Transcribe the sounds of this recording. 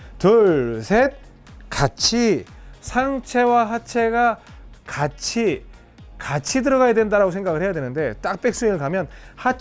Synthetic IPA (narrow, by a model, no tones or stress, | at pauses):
tɯɭsʰe̞t̚ | kat͡ɕʰisʰaŋt͡ɕʰe̞waɦat͡ɕʰe̞ɡakat͡ɕʰi | kat͡ɕʰidɯɾʌɣajadwe̞ndaɾaɡosʰeŋɡaɣɯɭhʰejadwe̞nɯnde̞t͈ak̚p͈e̞k̚s͈ɯinɯɭkamjʌnha